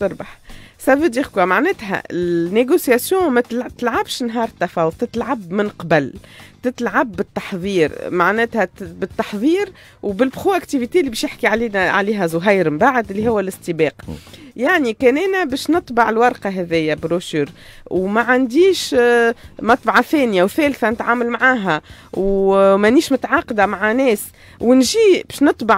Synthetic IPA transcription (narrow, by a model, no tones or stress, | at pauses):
t̪ʊɾˤbɑħsæbəd̪ixkwæmaʕnɛːt̪ɦɛ̰ɪlnːeɡosjasjɔ̃ːmæt̪t̪lʕabʃnɦɑːɾˤt̪ːafɑːwʊðˤt̪ɪt̪lʕabmɪnqɑbalt̪ɪt̪lʕabːɪt̪ːɑ̥ħðˤiːɾmaʕnɛːt̪hɛbɪt̪ːɑħðˤiːɾ | wbɪlbɣoʔækt̪ivit̪elːibɛːʃjɪħkiʕaliːnʕa̰liːɦæzˤʊɦæjɾmbaːʕad̪ʔɪlːihʊwːælɪst̪ibɑːqjaʕnikɛːnʔæːnæbɛːʃnɨt̪ˤbɑʕɪlwɑɾˤqɑɦɛðɪjːæbɾoʃyːɾ | wmæʕand̪iːʃ | mɑt̪ˤbʕɑθɛːnjawθæːlθænɪt̪ʕaːmalmʕaːɦæwmʔænːiːʃmʊt̪ʕɑːqɑd̪amaʕanɛːs | wɪnʒiːbɛːʃnɨt̪ˤbɑʕ